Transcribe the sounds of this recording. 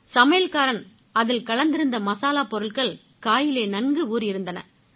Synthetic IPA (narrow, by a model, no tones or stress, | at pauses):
sɐmɐjɐlkaːɾɐn | ɐðɪlkɐɭɐnd̪ɪɾɯnd̪ɐmɐsaːlaːpɔɾɯɭɣɐɭ | kaːjɪleːnɐnɡɯuːɾɪɾɯnd̪ɐnɐ̰